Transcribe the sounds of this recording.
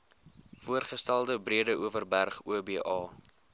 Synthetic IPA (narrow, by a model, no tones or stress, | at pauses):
fuərχəstælˠdəbriədəʔuəvərbærχuəbiːʔɑː